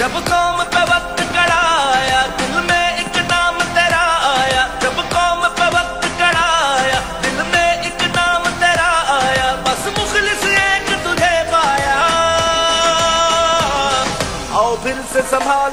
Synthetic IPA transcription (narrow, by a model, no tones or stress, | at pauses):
d͡ʒɐbkɔːmpeʋɐk̚t̪kɐɽaːjaːd̪ɪlmẽɪknaːmt̪eːɾaaːjaːd͡ʒɐbkɔːmpeʋək̚t̪kɐɽajaːd̪ɪlmẽɪknaːmt̪eːɾaaːjaːpɐsmʊxlɪseːkt̪ʊd͡ʒʱepaːjaː | ɐopʰɪɾsesɐbʱaː